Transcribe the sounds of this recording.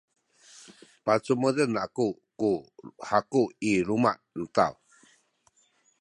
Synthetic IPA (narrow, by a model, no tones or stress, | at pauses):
pat͡sumədənaku | kuhakuiɾuma̰ʔn̩t̪a̰w